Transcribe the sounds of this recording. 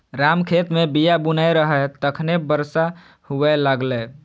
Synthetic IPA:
ɾamkʰet̪mebijabunəjɾəɦɛt̪əkʰnebəɾsa | huʋɛləɡlɛ

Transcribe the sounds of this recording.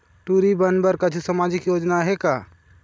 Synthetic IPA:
ʈuːɾibənbəɾkad͡ʒʰʱisamaːd͡ʒɪkjoːd͡ʒnaɦɛkaː

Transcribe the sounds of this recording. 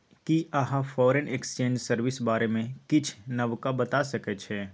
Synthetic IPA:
kiɐɦãfɔːɾenekst͡ʃẽːɲd͡ʒsəɾʋɪsbaːɾemẽkɪt͡ʃʰnɐʋkabɐt̪asɐket͡ʃʰeː

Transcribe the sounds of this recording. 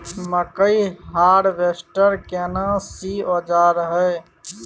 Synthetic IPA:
məkəiɦaːɽʋeːsʈəɾkeːnãːsiːoːd͡ʒaːɾɦɛː

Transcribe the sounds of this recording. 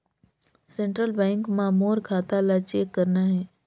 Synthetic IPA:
sẽɳʈɾəlbɛ̃ːŋkmaːmoːɾkʰaːt̪alat͡ʃeːkːəɾnaɦɛː

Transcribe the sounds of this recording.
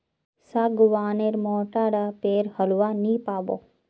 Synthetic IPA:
saɡuʋaːneɾmɔːʈaɽapeːɾhɐlʋanipaːbo̰

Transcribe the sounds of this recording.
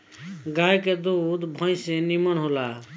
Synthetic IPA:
ɡajked̪ud̪ʱbʱə̃jsenimənɦola

